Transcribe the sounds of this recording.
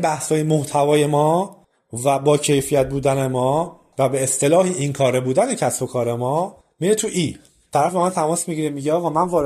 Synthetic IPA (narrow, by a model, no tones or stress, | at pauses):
bæhshɒːjemoht̪ʰævɒːje̞mɒː | væbɒːcʰe̞jfijæt̪̚buːd̪ænemɒː | væbeːst̪ʰe̞lɒːhiʔinkʰɒːɾebuːd̪æne̞cʰæsbo̞kʰɒːɾe̞mɒː | miːɾet̪ʰuʔi | t̪ʰæɾæfemænt̪ʰæmɒːsmiɟiːɾemiɟeɒːɣɒːmænvɒːɾ